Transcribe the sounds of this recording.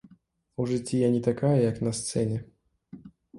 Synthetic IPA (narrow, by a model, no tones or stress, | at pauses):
uʐɨt͡sʲːijanʲɛt̪akajɐjaknɐst̪sɛnʲɛ